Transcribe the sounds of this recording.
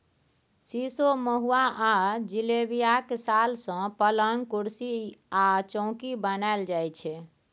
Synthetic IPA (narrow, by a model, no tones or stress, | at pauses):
sisoməɦuaʔad͡ʒilebijakesalsə̃pələŋɡkuɽsiat͡ʃɔ̃ʊ̃kibənaeld͡ʒajt͡ʃʰɛ